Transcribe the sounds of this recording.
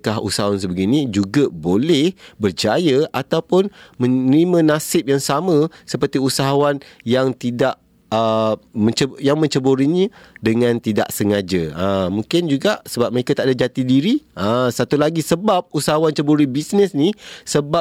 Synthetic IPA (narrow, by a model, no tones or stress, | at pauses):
kaɦṵsaɦawans̬əbəɡinĩd͡ʒuɡabolɛhbərd͡ʒajəat̪awpʊnmə̃nɾimə̃nasɪp̚jaŋsamə̃səpərt̪iusaɦawanjaŋt̪idaʔ | əmə̃ɲt͡ʃəjaŋmə̃ɲt͡ʃəboɾiɲədəŋãnt̪ida̰ʔsəŋad͡ʒə̰əmũŋkɪnd͡ʒuɡaʔsəbap̚məɾekat̪aʔdad͡ʒat̪idiɾiʔəsat̪ulaɡisəbap̚usaɦawant͡ʃəboɾibisnəsnisəba